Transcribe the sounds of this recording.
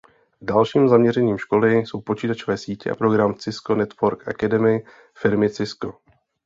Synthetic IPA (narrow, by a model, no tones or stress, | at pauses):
dalʃiːmzamɲɛɾɛɲiːmʃko̞lɪso̞wpo̞t͡ʃiːt̪at͡ʃo̞vɛːsiːcɛ̰ʔa̰pɾo̞ɡɾamt͡sɪsko̞nɛt̪voɾkʔakadɛmɪ | fɪɾmɪt͡sɪsko